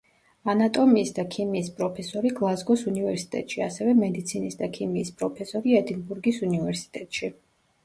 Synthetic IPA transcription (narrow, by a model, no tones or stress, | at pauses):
anat̪ʼɔmiːsd̪akʰimiːspʼɾɔpʰɛsɔɾiɡlˠazɡɔsunivɛɾsi̥t̪ʼɛ̰t̪ʼʃiasɛvɛmɛd̪it̪sʰinisd̪akʰimiːspʼɾɔpʰɛsɔɾiɛd̪inbuɾɡisunivɛɾsi̥t̪ʼɛt̪ʼʃi